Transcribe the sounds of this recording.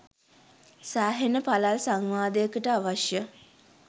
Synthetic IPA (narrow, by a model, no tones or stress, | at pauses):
sæːɦenəpalalsaŋʋaːd̪əjəkəʈəaʋaʃjə